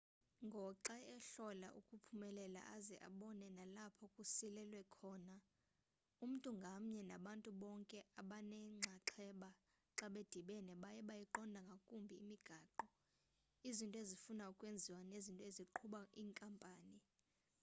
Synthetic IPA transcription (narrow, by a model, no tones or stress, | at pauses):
ŋɡʱɔǁɛɛɬɔla̰ʔukʼupʰumɛlɛla̰ʔazɛʔa̰ɓɔnɛnalapʰɔkʼusilɛlwɛkʰɔːna | um̩tʼuŋɡʱam̩ɲɛnaɓantʼuɓɔŋkʼɛaɓanɛŋ͡ǀʱaǁʰɛɓa | ǁaɓed̥ʱiɓɛnɛɓajɛɓajɛǃɔndʱaŋɡʱakʼumbʱiːmiɡ̥ʱaːǃɔ | izintʼɔezifunaukʼwend͡zʱiwanezintʼɔeziǃʰuɓaiːŋkʼampʼaːni